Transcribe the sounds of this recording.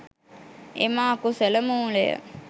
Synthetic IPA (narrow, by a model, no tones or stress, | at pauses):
ḛmaːkuseləmuːlejə̰